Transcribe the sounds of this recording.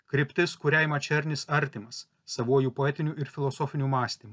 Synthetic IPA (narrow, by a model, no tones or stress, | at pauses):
kɾʲɪpʲt̪ʲɪskʊɾʲɛɪmɐt͡ʃʲɛɾʲnʲɪsɐɾʲt̪ʲɪmɐsː | ɐʋuɔjuːpoɛt̪ʲɪnʲuːʔɪɾfʲɪlˠɔsɔːfʲɪnʲumɑːsʲt̪ʲimu